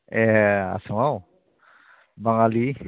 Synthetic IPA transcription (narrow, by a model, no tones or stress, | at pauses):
ɛa̰suŋaw | baŋali